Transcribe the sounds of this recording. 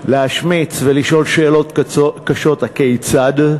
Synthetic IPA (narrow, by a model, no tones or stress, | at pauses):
leaʃmit͡sveliʃo̞lʃe̞ːlo̞tkaʃo̞thakejt͡sad̪